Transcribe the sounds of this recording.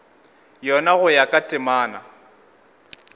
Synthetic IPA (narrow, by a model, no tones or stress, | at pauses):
jɔnaɣʊjakʼatʼɪmaːna